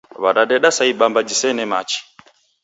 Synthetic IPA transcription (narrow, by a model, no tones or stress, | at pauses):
βaɗaɗɛɗasaiɓambad͡ʒisɛnɛmat͡ʃi̥